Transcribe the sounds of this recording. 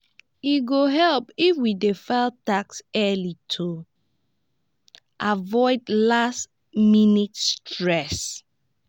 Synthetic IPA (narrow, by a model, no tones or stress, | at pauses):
iɡoɦɛlpifwidefaɪltaksɛlitʰu | ʔavɔɪdlast | minitstɹɛs